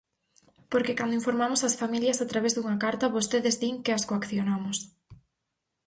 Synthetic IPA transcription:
poɾkekand̪oiɱfoɾmamʊsasfamiljɐsat̪ɾaβezðuŋɐkaɾt̪ɐβost̪eðezðiŋkɪaskoakθjonamʊs

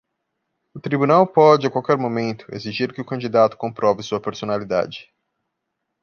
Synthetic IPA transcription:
ʊt̪ɾibunawpɔd͡ʒɪakawkɛɾmomẽnt̪ʊ̥ḛziʒiɾkɪʊkɐ̃d͡ʒid̪at̪ʊ̥kõmpɾɔvɪsuɐpeɾsonalid̪a̰d͡ʒɪ̥

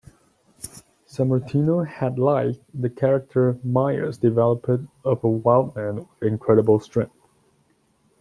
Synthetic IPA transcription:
sæmə˞tʰinohɨdˡlaɪk̚ðɨkʰɛɹɨk̚tʰə˞maɪə̰˞zdɨvɛlˠəpə̃dʌvəwaɪlˠd̚mæ̃nɨ̃nkʰɹ̥ɛɾəbəlˠstɹ̥ɛ̃ŋθ

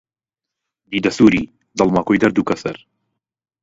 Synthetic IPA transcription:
d̪iːd̪ɐsuːɾiː | d̪ɐlˠmaːkojd̪ɐɾd̪uːkɐsɐɾ

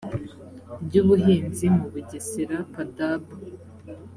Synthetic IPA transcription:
bɟuːβuɦiːnzimuβuɟesiɾapadabu

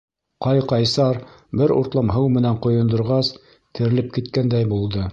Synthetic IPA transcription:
qɑjqɑjsɑɾbɘɾṵɾt̪lˠɑmɦɤwmɘ̆næɴqŏjŏnd̪ŏɾʁɑs | t̪ʰɘ̆ɾɘ̆lɘp̚kit̪kænd̪æjbulˠd̪ɤ

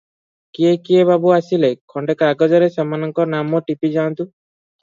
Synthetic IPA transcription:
kiekiebabuasilekʰɔɳɖekaɡɔd͡ʒɔɾesamanɔŋkɔnamɔʈipid͡ʒant̪u

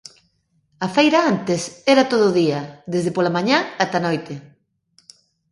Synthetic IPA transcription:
ɐfejɾaant̪esɛɾat̪oð̞ʊːðiɐðezðepolamaɲaat̪anojt̪e

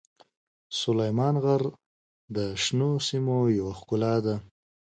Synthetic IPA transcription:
sʊlajmɑnɣaɾ | d̪əʃnosimojawaxkʊlɑd̪a

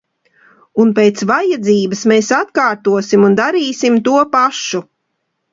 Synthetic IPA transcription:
unpejt̪svajad̪ziːbɨsmeːsat̪kaːɾt̪uɔsimund̪aɾiːsimt̪uɔpaʃu

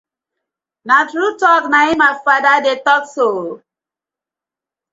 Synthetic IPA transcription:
natɾutɔknaimafadadetɔkso

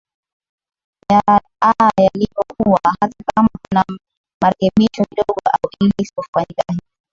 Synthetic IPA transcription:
ja | ajalipɔkuwahatakamakuna | maɾɛkɛɓiʃɔkiɗɔɠɔʔa̰uʔilɛisi̥pɔfaɲikahii

